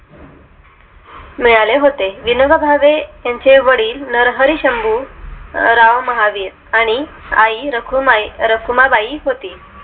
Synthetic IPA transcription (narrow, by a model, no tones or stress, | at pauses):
miɭaleɦot̪eʋinəɡabʱaʋejaɲt͡ɕeʋəɽiːlnəɾɦəɾiɕəmbuː | ɾaʋməɦaʋiːɾ | aɽ̃i | aiɾəkʰumɾəkʰumabaiːɦot̪iː